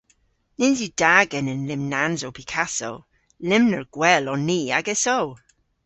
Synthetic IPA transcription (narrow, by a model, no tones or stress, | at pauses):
nɪnzid̥aɡənənlɪmnanzowpʰikʰaso̰w | lɪmnəɹɡ̥wɛlɔnːiːaɡɛsow